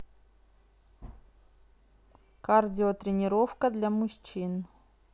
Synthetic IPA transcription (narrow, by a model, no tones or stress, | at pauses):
kardʲɪot̪ɾʲɪnʲɪɾofkəd̪lʲamʊɕʲt͡ɕin